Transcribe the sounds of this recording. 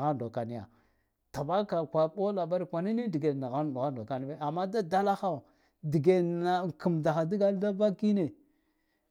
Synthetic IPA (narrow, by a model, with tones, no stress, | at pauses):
ɣa˦ndo˨ka˨ni˦ja̰˨ | ta˨ba˦ka˨kʷa˨ɓo˦la˨ba˦ɾi˨kʷa˨ni˦ni˦di˨ɡe˨na˨ɣa˦˨ɣa˦ndo˨ka˨ni˦be˦a˨mːa˦da˦da˦la˦xa˦˨ | di˨ɡe˨na˨ki˨mda˨xa˨di˦ɡa˦da˦va˦ki˦ne˨